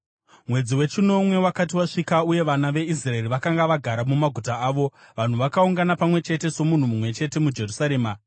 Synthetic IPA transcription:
mwe̞d͡ziwe̞t͡ʃino̞mwe̞wakatiwaʂikauje̞ʋanaʋe̞israeriʋakaŋɡaʋaɡʱaɾamumaɡʱutaaːʋo̞ʋan̤uʋakauŋɡanapamwe̞t͡ʃe̞te̞so̞mun̤umumwe̞t͡ʃe̞te̞mud͡ʒe̞rusaɾe̞ːma

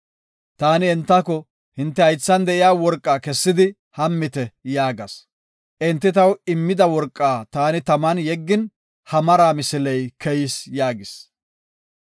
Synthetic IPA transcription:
t̪aːnɪɛnt̪ːɐkɔ | hɪnt̪ːɛhɐjt͡sːɐnd̪ɛʔɪjaːwɔɾkʼːaːkɛsːɪd̪ɪ | hɐmːɪt̪ɛjaːɡɐs | ʔɪnt̪ːɪt̪ɐwɪmːɪd̪ɐwɔɾkʼːaːt̪aːnɪt̪ɐmɐnjɛɡːɪn | hɐmɐɾaːmɪsɪlɛjkʰɛjɪsjaːɡɪs

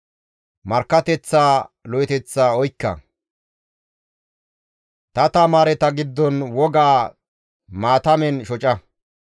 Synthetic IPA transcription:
mɐɾkːɐt̪ɛt͡sːaːlɔjɛt̪ɛt͡sːaːɔjkːɐ̰ | t̪ɐt̪ɐmaːɾɛt̪ɐɡɪd̪ːɔnwɔɡaː | maːt̪ɐmɛnʃɔt͡ʃʼɐ

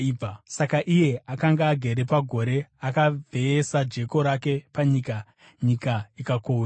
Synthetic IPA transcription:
asakaʔije̞ʔakaŋɡaːɡʱe̞ɾe̞paɡʱo̞ɾe̞akavʱe̞ːsad͡ʒe̞ko̞ɾake̞paɲika | ɲikaikakoːa

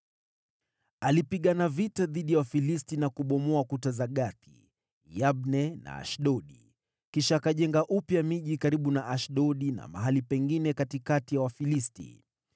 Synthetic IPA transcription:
alipiɠanavitaðiɗijawafilistinakuɓɔmɔakutazaɠaθḭ | jabnɛna̰a̰ʃɗɔɗi | kiʃaːkaʄɛŋɡaʔupjamiʄikaɾiɓunaʔaʃɗɔɗina̰ma̰ɦalipɛŋɡinɛkatikatijawafilistḭ

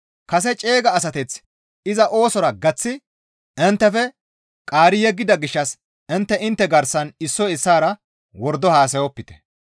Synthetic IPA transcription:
kɐs̬ɛt͡ʃʼe̞ːɡɐːs̬ɐt̪ɛt͡s | ɪzɐʔo̞ːsɔɾɐɡɐt͡sːɪ | ɛnt̪ːɛfɛ | kʼaːɾɪjɛɡːɪd̪ɐɡɪʃːɐs | ɛnt̪ːɛɪnt̪ːɛɡɐɾsɐnɪsːɔɪsːaːɾɐ | wɔɾd̪ɔhaːs̬ɐjɔpːɪt̪ɛ̥

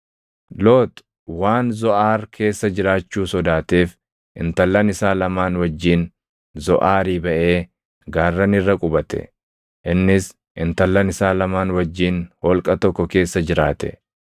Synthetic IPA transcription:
loːt̪ | waːnzɔʔaːɾkʰe̞ːsːɐd͡ʒɪɾaːt͡ʃːuːsɔd̪aːt̪e̞ːf | ʔɪ̰nt̪ɐlːɐnɪsaːlɐmaːnwɐd͡ʒːiːn | zɔʔaːɾiːbɐʔe̞ː | ɡaːrːɐnɪrːɐkʼʊbɐt̪ɛ̰ | ʔɪnːɪs | ʔɪnt̪ɐlːɐnɪsaːlɐmaːnwɐd͡ʒːiːnhɔlkʼɐt̪ɔkːɔke̞ːsːɐd͡ʒɪɾaːt̪ɛ̥̰

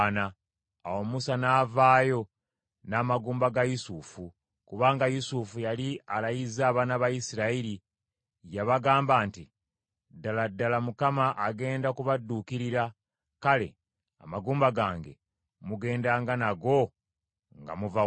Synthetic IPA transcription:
naː | womusanaːvaːjo̞ | naːmaɡuːmbaɡajusufu | kuβaːŋɡajusufujalialajizaːβanaβajisiɾaiɾi | jaβaɡaːmbaːnti | dːaladːalamukamaʔːɡe̞ːndakuβadːuːkiɾiɾa | kale̞̰ | a̰maɡuːmbaɡaːŋɡe̞̰ | muɡe̞ːndaːŋɡanaɡo̞ | ŋɡa̰muva

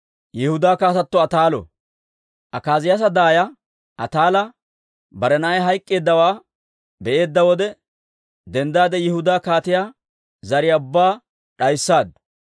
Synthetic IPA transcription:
jɛhʊd̪aːkaːt̪ɐt̪ːɔɐt̪aːlɔ̰ | ʔɐkaːzɪjɐs̬ɐd̪aːjɐ | ʔɐt̪aːlɐ | bɐɾɛnɐʔɐjɦɐjkʼːe̞ːd̪ːɐwaː | bɛʔe̞ːd̪ːɐwɔd̪ɛ | d̪ɛnd̪aːd̪ɛjɪhʊd̪aːkaːt̪ɪjaː | zɐɾɪjaʊbːaː | ᶑɐjsːaːd̪

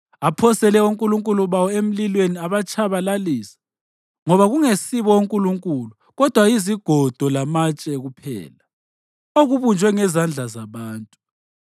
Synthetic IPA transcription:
apʰɔsɛlɛuŋkʼuluŋkʼuluβawɔem̩lilweniaβat͡ʃʰʼaβalaliːsḁ | ŋɔβaɣuŋesiβɔuŋkʼuluŋkʼulu | ɣɔd̥ʱwaiziɡ̥ʱɔd̥ʱɔlamat͡ʃʼɛɣupʰɛ̰ːla | oɣuβund͡ʒʱwɛŋɛzand͡ɮʱazaβaːntʼu

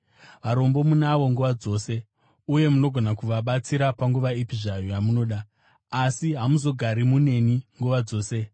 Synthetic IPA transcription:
ʋaɾo̞mbo̞munaʋo̞ŋɡuʋad͡zo̞ːse̞ | uje̞muno̞ɡʱonakuʋaɓat͡siɾapaŋɡuʋaipiʐajojamuno̞ːɗaː | siɦamuzo̞ɡʱaɾimune̞niŋɡuʋad͡zo̞ːse̞

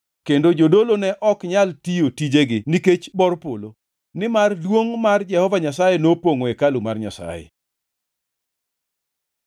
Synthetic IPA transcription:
kendod͡ʒodolonɛʔɔkɲaltijotid͡ʒeɡɪniket͡ʃbɔɾpolo | nɪmardwoŋmard͡ʒɛhɔvaɲasajenopoŋoekalʊmarɲa̰sa̰jḛ

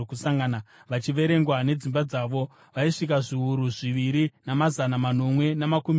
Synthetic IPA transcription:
kusaŋɡanaʋat͡ʃiʋe̞ɾe̞ŋɡwane̞d͡zimbad͡zaʋo̞ | ʋaiʂik̬aʐiuɾuʐiʋiɾinamazanamano̞mwe̞namakumi

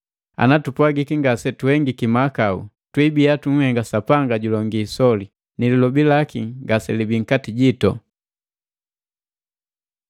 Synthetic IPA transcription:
a̰natupwaɡikiŋɡasɛtuhɛŋɡikimakaṵ | twibiatuŋ̩hɛŋɡasapaŋɡaɟulɔŋɡiːsɔli | nililɔbilakiɡasɛlibiŋ̩katiɟitɔ̰

